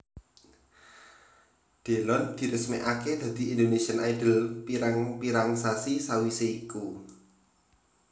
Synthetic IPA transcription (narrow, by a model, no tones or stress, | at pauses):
ɖ̪̥e̤lɔnd̪̥i̤ɾəsmeʔaked̪̥ä̤d̪̥i̤ind̪onesiənajdə̤lpiɾaŋpiɾaŋsasisawiseiku